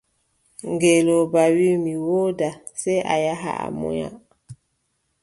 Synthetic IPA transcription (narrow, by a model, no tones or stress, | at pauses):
ŋɡelobawimiwoda | sɛʔa̰jaɦa̰a̰mɔ̰ja̰